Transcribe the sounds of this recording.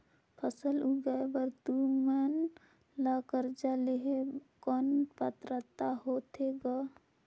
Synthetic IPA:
pʰəsəluɡaebəɾt̪umən | lakəɾd͡ʒaleɦekɔnpət̪ɾət̪aɦot̪eɡa

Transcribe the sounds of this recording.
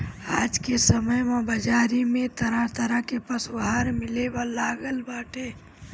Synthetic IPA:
aːd͡ʒkesəməjmãbəd͡ʒaːɾimẽt̪əɾat̪əɾakepəswaɦaɾmɪlebalaːɡəlbaːʈʰeː

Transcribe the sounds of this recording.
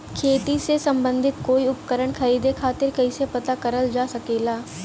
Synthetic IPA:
kʰeːt̪isesə̃mbə̃nd̪ʱɪt̪koːiʊpkəɾəɳkʰəɾiːd̪ekʰaːt̪ɪɾkɐɪsepɐt̪akəɾəld͡ʒaːsəkeːlaː

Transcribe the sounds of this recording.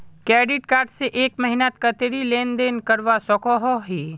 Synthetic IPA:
kɾɛːɖɪʈkaːɾɖseʔeːkmɐɦɪnat̪̚kɐt̪eɾileːnd̪eːnkɐɾʋasɔkɔɦɔɦiː

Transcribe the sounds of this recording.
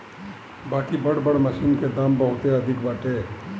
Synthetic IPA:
baːkibəɽbəɽməsinked̪ambəɦʊt̪eəd̪ʱɪkbaːʈe

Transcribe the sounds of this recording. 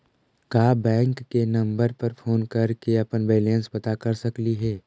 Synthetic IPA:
kaːbɛ̃ːŋkːenɐ̃mbəɾpɐɾfʰoːnkɐɾkeɐpənbeːlẽnsbɐt̪akɐɾsɐkliɦɛː

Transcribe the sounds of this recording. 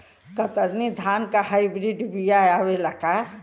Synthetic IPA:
kət̪əɾnid̪ʱankahaibɾiɖbijajawelaka

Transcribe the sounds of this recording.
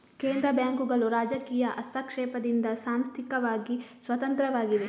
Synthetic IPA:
keːnd̪ɾɐbaːŋkuɡɐɭuɾaːd͡ʒɐkiːjɐʔɐst̪ʰɐkʂɛːpɐd̪ind̪ɐsaːmst̪ʰikɐʋaːɡisʋɐt̪ɐnt̪ɾɐʋaːɡid̪e

